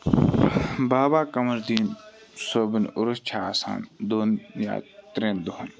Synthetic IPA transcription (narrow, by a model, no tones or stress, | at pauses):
baːbaːkɐmɐɾd̪iːn | soːbɪnʊɾʊst͡ʃʰaːsa̰ːnd̪oːnja̰ːt̪ɾeːnd̪oɦɐn